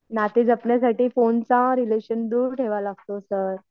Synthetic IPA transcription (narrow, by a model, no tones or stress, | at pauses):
nat̪iːd͡zapɳjasaʈiːfont͡sãɾileɕənd̪uːɾʈʰeʋalaɡ̚t̪osəɾ